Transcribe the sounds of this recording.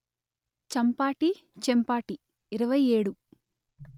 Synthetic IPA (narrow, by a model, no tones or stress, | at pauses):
t͡ʃɐmpaːʈi | t͡ʃempaːʈiː | ɾɐʋɐjeːɽu